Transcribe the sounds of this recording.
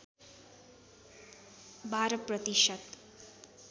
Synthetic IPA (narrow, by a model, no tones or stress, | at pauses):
bʱaɾəprʌt̪iʃət̪